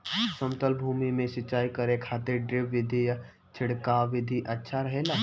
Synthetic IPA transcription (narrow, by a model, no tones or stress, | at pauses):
səmt̪əlbʱuːmimẽʃɪt͡ʃaːikəɾẽkʰaːt̪eɖɾɪpʋɪd̪ʱija | t͡ʃʰɪɽkaʋɪd̪ʱiʔɐtːʃʰaɾəɦeːlaː